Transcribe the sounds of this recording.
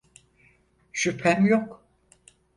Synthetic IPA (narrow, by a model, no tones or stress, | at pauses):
ʃypʰhæmjok